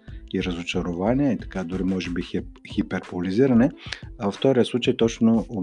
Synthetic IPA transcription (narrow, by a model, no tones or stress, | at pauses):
iɾɐzʊt͡ʃɐɾʊvaniɛit̪ɐ̥kad̪ʊɾimɔʒɛbixipɛɾpʊliziɾɐnɛɐvəft̪ɔɾiəslˠut͡ʃəjt̪ɔt͡ʃnoː